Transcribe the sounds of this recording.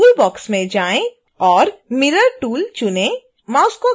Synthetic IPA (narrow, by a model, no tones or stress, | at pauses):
uːlbɔːksmẽd͡ʒaːẽ | ɔːɾmɪɾəɾʈuːlt͡ʃʊnẽ | mãːʊsko